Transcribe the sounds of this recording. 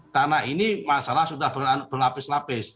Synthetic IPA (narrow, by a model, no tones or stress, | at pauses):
k̪anainimasalahsudahbab̥ərlapɪslapɪs